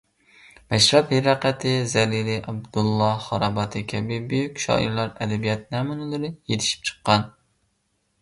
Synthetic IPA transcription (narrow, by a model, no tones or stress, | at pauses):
mɛʃɾɑt̪hiɾɑqæt̪ʰɪzɛlilɪʔɑb̚d̪ulˠːɑχɑɾɑbɑt̪ʰɨkʲʰɛbɪbøjykʲʃɑ̰ʔḭɾlˠɑɾɛd̪ɛbijɛt̪̚næːmunɨlˠɨɾɨjet̪ʰɪ̥ʃi̥p̚t͡ʃʰə̥qːɑn